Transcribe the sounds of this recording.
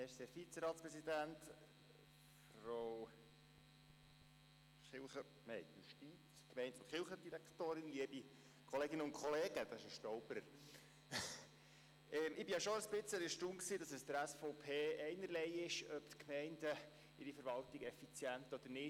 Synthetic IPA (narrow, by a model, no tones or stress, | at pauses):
ɛɾsefit͡səɾɑːt̪spɾɛsid̪ænt̪ | f | ɾow | χɪlχə | nɛɪjuʃtit͡skmɛɪntfʊχɪlχəd̥̪iɾæktoːɾɪnliəbi | kʰɔleːɡɪnəʊnkʰɔleːɡ̥əd̥̪ɑɪʃəʃtɔʊbəɾəɾ | ɛmʔɪbijɑʃoəsb̥ɪt͡səliʃtuŋksiːdɑsɛsd̪əɾæsfɔʊpʰeːɛɪnəɾlɛɪɪʃœpt̪kmɛɪndə | ɪɾifəɾʋɑlt̪iɡɛfit͡sjænt̪ɔd̥̪əɾnɪ